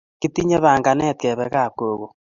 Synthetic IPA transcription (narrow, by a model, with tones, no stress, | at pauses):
ki˦ti˦ɲe˦βaː˨ŋɡa˨nɛ˦˨t̚kɛ˨βɛ˨ka˦˨koː˨ɣo˨